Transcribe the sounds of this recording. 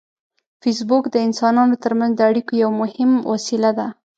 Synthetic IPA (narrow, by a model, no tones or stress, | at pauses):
fis̬bukd̪əɪnsɑnɑnot̪əɾmanzd̪əaɽikojawmʊhɪmwɑsilad̪a